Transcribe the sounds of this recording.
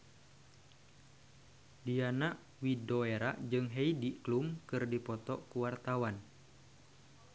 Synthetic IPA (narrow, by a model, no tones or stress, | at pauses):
dianaʔ | widoeɾaʔd͡ʒɨŋɦejdiklumkɨrdipɔt̪ɔʔkuwart̪awan